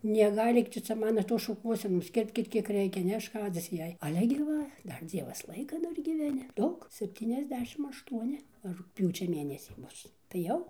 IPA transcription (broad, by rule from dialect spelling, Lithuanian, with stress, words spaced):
nʲɛˈɡɐɪlʲiːk ˈtʊ t͡sʲɛ ˈmɑːnoː ˈtoːs ʃʊˈkuɔsʲɛnoːs ˈkʲɪrʲpʲkʲɪt ˈkʲiɛk ˈrʲɛɪkʲɛ nʲɛˈʃkɑːd͡zʲɪs ˈjɛɪ ɐˈlʲɛ ɡʲɪ ˈʋɐ ˈdɐr ˈd͡zʲiɛʋɐs ˈlˠɐɪkɐ ˈdɐr ɡʲiːʋʲɛˈnʲɪ ˈdɐʊk sʲɛpʲˌtʲiːnʲɛzʲˈdʲæːʃʲɪm ɐʃˈtuɔnʲɪ rʊkˈpʲjuːt͡ʃʲɛ ˈmʲeːnʲɛsʲiː ˈbʊs tɐɪ ˈjɛʊ